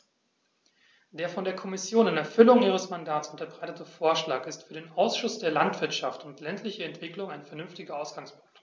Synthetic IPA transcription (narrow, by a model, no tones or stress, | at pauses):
d̥eːɐfɔndeːɐkʰɔmɪsjoːnɪnɛɐfʏlʊŋʔiːʁ̞əsmandaːtsʊntɐbʁaɪtətəfoːɐʃlaːkɪstfyːɐdeːnʔaʊsʃʊsd̥eːɐlantv̥ɪɐtʃaftʊntlɛntʰlɪçəɛntv̥ɪklʊŋaɪnfɛɐnʏnftɪɡɐʔaʊsɡ̥aŋspʰʊ̥ŋk̚t